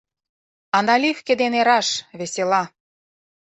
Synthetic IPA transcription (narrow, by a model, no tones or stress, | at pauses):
ɑnɑlʲifkʲĕd̪eneɾɑʃβeselɑ